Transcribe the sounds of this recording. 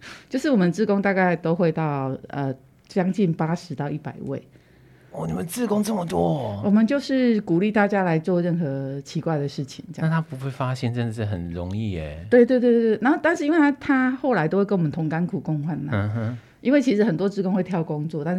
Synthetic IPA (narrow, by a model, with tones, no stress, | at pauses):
t͡ɕt͡ɕjʊʂɻ̩˥˩wɔ˨˩ə˧t͡sɹ̩˥˩kʊ˥ŋt̪a˥˧ka˥˩ɪt̪o˥ʊxwe˥˧ɪt̪ɑ˥˩ʊə˨ | t͡ɕjɑ˥ŋt͡ɕi˥˩npa˥ʂɻ̩˨˦t̪ɑ˥˧ʊi˥˩pa̰˨˩ɪwḛ˥˩ɪ | ɔ˥˩ni˨mə˦nt͡sɹ̩˥˩kʊ˥ŋt͡sə˥˩mə˨˩t̪wɔ˦˥wɔ˨˩mə˨˦nt͡ɕjo˥˧ʊʂɻ̩˥˩ku˨˩li˥˧t̪a˥˨t͡ɕja˥la˧˥ɪt͡swɔ˥˧ɻə˥˩nxɤ˧˦t͡ɕʰi˧˥kwa˥˩ɪd̪ə˩ʂɻ̩˥˩t͡ɕʰi˨˩˦ŋt͡ɕj̰na˥˨˩t̪ʰa˦˥pu˧˦xwe˥˩ɪfa˦˥ɕjɛ˥˧nʈ͡ʂə˥˧ndə˩ʂ̩˥˩ɦə̰˨˩nɻʊ̰˧˦ŋi˥˩ḛ˨˩t̪we˥˧ɪt̪we˥˧ɪt̪wtt̪we˥˩na˧˦no˥˩ʊt̪a˥˧nʂɻ̩˥˩i˥nwe˧t̪ʰa˥t̪ʰa˥xo˥˩ʊla˧˥ɪt̪o˥ʊwe˥˧kwmə˦t̪ʰŋnka˥nkʰu˨˩kʊ˥˧ŋxwa˥˩nla˨˩˦ | ʔi˥nwe˥˩ɪt͡ɕʰi˧˥ʂɻ̩˧˥xə˨˩nt̪wɔ˥t͡sɹ̩˥˩kʊ˥ŋxwe˥˧ɪt̪ʰjɑ˥˩ʊkʊ˦˥ŋt͡swɔ˥˨t̪a˥˧n˥˩